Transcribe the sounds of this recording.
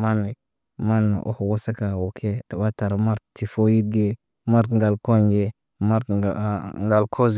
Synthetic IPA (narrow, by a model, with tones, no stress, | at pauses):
ma˦ni˨ | ma˦nːo̰˨ʔo̰˦hwo˦sa˦ka˨wo˨kʰe˦a˨ba˦ta˨ɾma˦ɾti˨fo˦ji˦d̚ɡe˦ | ma˦ɾtŋɡa˨lko˦nɡe˨ | ma˦ɾt | ŋɡa˨lkʰo˦z